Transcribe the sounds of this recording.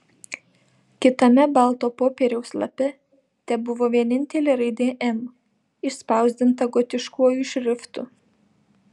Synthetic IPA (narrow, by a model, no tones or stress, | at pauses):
kʲɪt̪ɐmʲɛbɑˑlˠt̪oːpoːpʲeːɾʲɛʊslˠɐ̰pʲɛ | t̪ʲɛbʊʋoːʋʲiɛnʲɪnʲt̪ʲɛlʲeːɾɐɪd̪ʲeːʔɛm | ɪʃspɑˑʊzʲd̪ʲɪnt̪ɐɡɔt̪ʲɪʃkuɔjuʃʲɾʲɪft̪ʊ